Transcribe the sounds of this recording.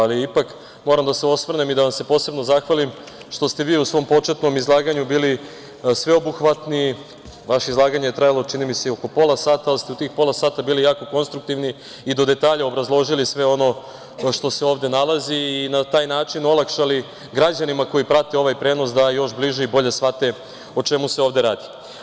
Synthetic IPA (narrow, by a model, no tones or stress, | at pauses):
aliipak | mo̞ɾamd̪ase̞o̞sʋr̩nemid̪aʋase̞po̞ːse̞bno̞zaxʋalim | ʃt̪o̞st̪e̞ʋiːusʋo̞ːmpo̞t͡ʃe̞t̪no̞mizlˠaːɡaɲubiːli | sʋe̞obuxʋat̪ni | ʋaʃeizlˠaːɡaɲeet̪ɾajalˠo̞t͡ʃinimiseioko̞po̞lˠasaːt̪aalist̪eut̪iːxpo̞lasaːt̪abiːlijaːko̞ko̞nst̪ɾuk̚t̪iʋni | id̪o̞d̪e̞t̪aːʎao̞bɾazlˠo̞ʒilisʋe̞o̞no̞ | ʃt̪o̞se̞oːʋd̪e̞nalaziːnat̪aːjnaːt͡ʃino̞lˠakʃali | ɡɾad͡ʑanimako̞ipɾat̪eo̞ʋajpɾe̞ːno̞s̬d̪ajo̞ʃbliʒeibo̞ʎe̞sʋat̪e̞ | o̞t͡ʃe̞museoʋvd̪e̞ɾaːd̪i